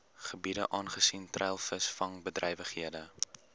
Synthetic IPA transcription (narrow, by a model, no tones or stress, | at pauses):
χəbidəʔɑːnχəsintrɛjlˠfəsfɐŋbədrɛjvəχhiədə